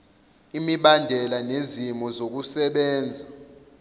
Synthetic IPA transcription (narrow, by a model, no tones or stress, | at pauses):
imiɓandʱɛlanezimɔzok̬usɛɓɛːnd͡zʱa